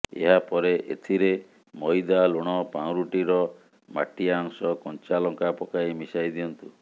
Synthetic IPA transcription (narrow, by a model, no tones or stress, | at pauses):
ḛɦapɔɾeʔḛt̪ʰiɾe | mɔjd̪aloɽ̃ɔpaw̃ɾuʈiɾɔ | ma̰ʈiaɔŋsɔkɔnt͡ʃalɔŋkapɔkaimisajd̪iɔnt̪u